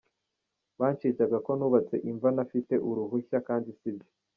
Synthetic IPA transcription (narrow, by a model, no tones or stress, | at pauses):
βaːnt͡ʃiːzaɡako̞nuːβat͡se̞ʔiɱvanafite̞ʔuɾuɦuçakaːndisibje